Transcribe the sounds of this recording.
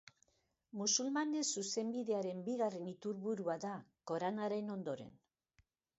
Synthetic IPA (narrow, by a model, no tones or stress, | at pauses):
musulmane̞suse̞mbiðe̞aɾe̞mbiɣare̞nit̪uɾβuɾuaðako̞ɾanaɾeno̞nd̪o̞ɾe̞̰n